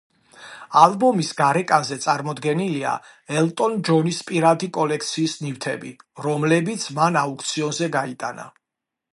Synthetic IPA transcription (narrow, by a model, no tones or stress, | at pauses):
alˠbɔmisɡaɾɛkʼanzɛt̪sʼaɾmɔd̪ɡɛnilia̰ | ɛlt̪ʼɔnd͡ʒɔnispʼiɾad̪ikʼɔlɛkʰt̪sʰiːsnift̪ʰɛ̰biɾɔmlɛbit̪sʰmanauk̚ʰʼt̪sʰiɔnzɛɡait̪ʼa̰na̰